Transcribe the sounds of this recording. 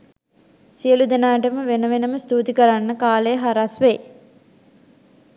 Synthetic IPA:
sijəlud̪enaːʈəməʋenəʋenəməst̪ut̪ikəɾanːəkaːləjəɦaɾasʋe

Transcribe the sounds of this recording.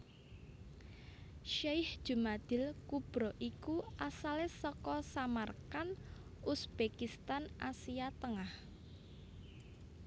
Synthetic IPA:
ʃajhd̥ʒ̥ṳmad̪̥ɪ̤lkub̥ɾɔʔikuʔasalesɔkɔsamarkan | usb̥ekist̪anʔa̰siat̪əŋah

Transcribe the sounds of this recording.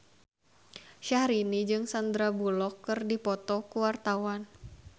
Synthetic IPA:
ʃahɾinid͡ʒɨŋsand̪ɾabulɔkːɨrdipɔt̪ɔkuwart̪awan

